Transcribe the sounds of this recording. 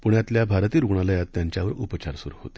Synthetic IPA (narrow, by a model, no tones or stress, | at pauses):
puɳjat̪ljabʱaɾt̪iːɾuɡɳaləjat̪ːjãɲt͡ɕjaʋəɾupət͡ɕaɾsuɾṵɦo̰t̪e̥